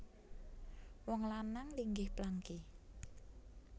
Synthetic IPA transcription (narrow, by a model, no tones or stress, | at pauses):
wɔŋlanaŋliŋɡɪhplaŋki